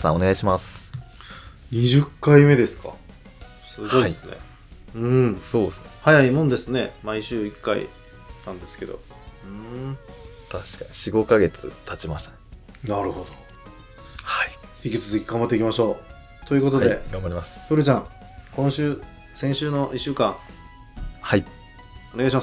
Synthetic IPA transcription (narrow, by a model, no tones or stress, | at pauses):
sã̰one̞ɡaiɕimas | ɲ̟iʑɨkːaime̞d̪e̞sɨ̥ka̰ | sɨɡo̞idesɨne̞̰ | ɯ̃soːd̪esnhajaimõ̞nd̪e̞sɨne̞maiɕɨːikːaḭ | nãnd̪e̞sɨ̥ke̞d̪o̞̰ | ɯ̃ | t̪ʰaɕi̥kaɲiɕiɡo̞kaɡe̞t͡sɨ̰t̪ʰat͡ɕimaɕi̥t̪ḁnnaɾɯ̟ho̞d̪o̥ | haiçikʲit͡sɨzɨkʲiɡãmbat̪ːeikʲimaɕo̞ː | t̪o̞jɯ̟ko̞t̪o̞d̪e̞ɡambaɾimasɨ̥ɸɯ̟ɾɯ̟t͡ɕãŋ | kõɰ̃ɕɨː | sẽ̞ɰ̃ɕɨːno̞ʔiɕːɨːkãŋ | hai | o̞neɡaɕimas